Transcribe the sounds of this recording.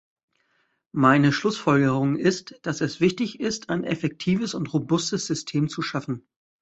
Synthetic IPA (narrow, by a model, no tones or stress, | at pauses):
maɪnəʃlʊsfɔlɡəʁʊŋɪstd̥asɛsv̥ɪçtɪçɪstʰaɪnʔɛ̰fɛk̚tʰiːvəsʊntʁobʊstəsz̥ʏstʰeːmt͡suʃafn̩